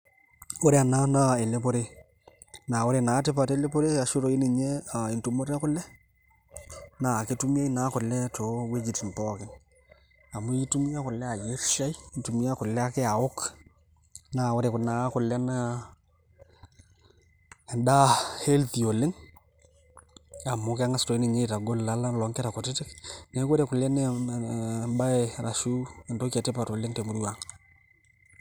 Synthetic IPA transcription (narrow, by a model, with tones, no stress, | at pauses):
ʊ˦ɾe˦a˨na˦na˦e˨le˦po˦ɾe˦ | naː˨ʊ˦ɾe˨naː˨˦tɪ˦pa˨te˦le˦po˦ɾe˦a˨ʃʊ˦ɾo˨i˦nɪ˨ɲɛ˦a˨ɪ˨ntu˨mo˦ɾɛ˦kʊ˦lɛ˦ | naː˨ke˦tu˦mi˦a˦i˦na˦kʊ˨lɛ˦to˨we˦d͡ʒi˨tn˨tɔː˦kɪ˨˦ŋ | a˨mʊ˦i˦tu˦mi˦ja˦kʊ˨lːɛ˦a˨je˦ɾʃa˦jtu˨mi˦a˦kʊ˨lɛ˦a˦kɪ˦a˨ʊ˦k | na˨wo˦ɾe˨kʊ˨na˨˦kʊ˨lɛ˦n˦˨ | da˦he˦lti˨o˨lɪ˦ŋ | a˨mʊ˦ka˦ŋa˦sto˨i˦nɪ˨ɲe˦ta˨ɡo˦lːa˦la˦lɔ˨ŋkɛ˦ɾa˨kʊ˨tɪ˦tɪ˦kne˨˦kwo˦ɾe˨kʊ˨lɛ˦n˦ | ba˦ɾʔa˨ʃu˦e˨ndo˦ke˨tɪ˦pa˨to˨lɪ˦ŋte˨mu˦ɾu˦wa˨ŋ